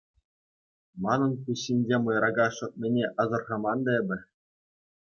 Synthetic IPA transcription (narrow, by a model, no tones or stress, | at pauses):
mɑnɤ̆nkuɕːinʲd͡ʑʲemɤ̆jɾɑɡɑʂɤ̆t̪̚mʲĕnʲeʔɑzɤ̆rʁɑmɑnd̪ɑebʲɘ̆